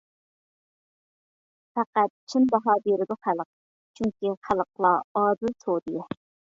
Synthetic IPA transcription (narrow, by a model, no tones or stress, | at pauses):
fæqæt̪̚t͡ʃʰinb̪ɑɦɑbeɾɪd̪ʊχælˠəq̚ | t͡ʃʰyŋkʲiχælˠəq̚lˠɑɑːd̪ɨlsʰod̪ijɛ